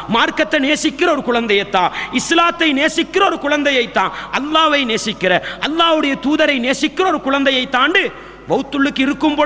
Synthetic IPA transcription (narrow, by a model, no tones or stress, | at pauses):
maːɾkɐt̪ːɐneːsɪkːɪɾɐɔɾɯkʊɻɐnd̪ɐjɐt̪ːãːɪslaːt̪ːɐɪneːsɪkːɪɾɐɔɾɯkʊɻɐnd̪ɐjɐɪt̪ːãːʔɐlːaːʋɐɪneːsɪkːɪɾɐʔɐlːaːʋɯɽɐjɐt̪uːðɐɾɐɪneːsɪkːɪɾɐɔɾɯkʊɻɐnd̪ɐjɐɪt̪ːãːɳɖɯ | ʋɐʊt̪ːʊɭːɯkːɪɾɯkːɯmpoː